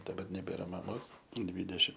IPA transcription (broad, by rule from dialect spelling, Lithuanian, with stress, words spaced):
dɐˈbɐr nʲɛˈbʲeːrɐ ˈmɑːmoːs ˈdʲʋʲiːdʲɛʃʲɪm